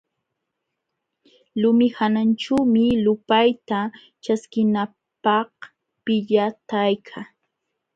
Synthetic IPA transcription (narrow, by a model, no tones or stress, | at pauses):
lʊmɪhanant͡ʃaːmɪlʊpajt̪a | t͡ʃaskɪna | pɑh | pɪʎat̪ajkʰa